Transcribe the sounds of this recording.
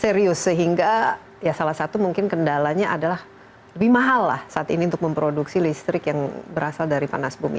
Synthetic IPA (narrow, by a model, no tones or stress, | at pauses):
seɾiʊsːəɦiŋɡa | jasalahsat̪umuŋkɪnkəndalaɲaʔadalah | ləbɪhmaɦalːa̰hsaʔat̪iniunt̪ʊk̚məmpɾoduksilist̪ɾɪkjaŋbəɾasaldaɾipa̰nasbumḭ